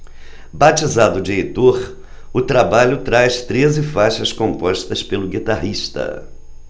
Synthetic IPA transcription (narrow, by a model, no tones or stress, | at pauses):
bat͡ʃizad̪ʊd͡ʒɪejt̪oɾ | ʊt̪ɾabaʎʊt̪ɾajst̪ɾezɪfajʃɐskõmpɔʃt̪ɐspelʊɡit̪aɦiʃt̪ɐ̰